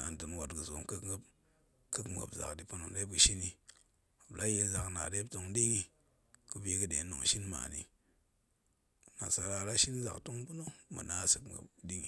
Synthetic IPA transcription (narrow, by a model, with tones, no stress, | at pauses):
a̰˨n˨tɨ˨nwa˨tɡɨ˨zo˨mkɨ˦kɡp | kɨ˦km˨ɡa̰˨pza̰˨kdi˨pu˦no˨ŋde˦p̚kɨ˧ʃi˦ni˧˨ | bla˦je˧lza˨kna̰˨de˦pto˧ŋdi˦ŋi˧ | kɨ˧be˧˦kɨ˦de˨˦no˨ŋ˨ʃi˦nma̰˨nḭ˨ | na̰˨sa˧ɾa˧˨ɾa˦ʃi˦n˦za̰˨kto˦ŋ˦pu˦no˦mɨ̰˨na˦˨sɨ˨kɡa̰˨pdi˦ŋi˨